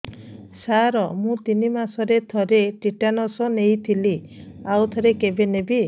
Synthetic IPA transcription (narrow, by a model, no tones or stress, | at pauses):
saɾɔmũt̪inimasɔɾet̪ʰɔɾeʈiʈanɔsɔnejt̪ʰiliawt̪ʰɔɾekebenebi